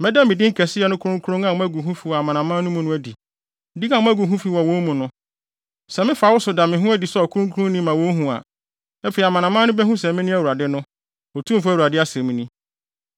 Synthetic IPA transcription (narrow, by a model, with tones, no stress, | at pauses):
mɛ̃˦da˦mɪ̃˨dɪ˦ŋ̩˦kʰɛ˨sɪ˦jɛ˦nʊ̃˦kʰʊ˦ɾʊ̃˦ŋkʰʊ˦ɾʊ̃˦ŋã˨ʊ̃˦æ˦ɡu˨ɦũ˦fi˨wɔ˨a˨mã˨nã˨mã˦nʊ̃˦mũ˦nʊ̃˦æ˦di˨ | di˦kã˨m̃˦æ˦ɡu˨ɦũ˦fi˨wɔ˨wõ˦mũ˨nʊ̃˦ | sɛ˨mɪ̃˦fa˨˦wʊ˦sʊ˨da˨mɪ̃˨ɦʊ̃˦æ˦di˨sɛ˦ɔ˨kʰʊ˦ɾʊ̃˦ŋkʰu˦ɾʊ̃˦n˦nĩ˦mã˨wõ˦ɦũ˨a̰˨ | æ˦fe˨i˨a˨mã˨nã˨mã˦nʊ̃˦bɛ˦ɦũ˦sɛ˨mɪ̃˦nʊ̃˦æ˨wu˨ɾa˨dɪ˦nʊ̃˦ | ɔ˨tʰũ˦m˨fæ˦˨u˨ɾa˨dɪ˦a˦sɛ̃˨mĩ˦nĩ˦